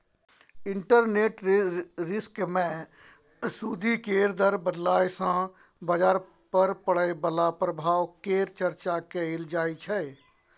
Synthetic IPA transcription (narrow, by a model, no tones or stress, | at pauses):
ɪ̃ɳʈəɾneːʈɾɪskmẽ | sud̪ʱikeːɾd̪əɾbəd̪laːjsã | bəd͡ʒaːɾ | pəɾpəɽəebəlapɾəbʱaːwkeːɾt͡ʃəɾt͡ʃakeɪld͡ʒaːit͡ʃʰɛ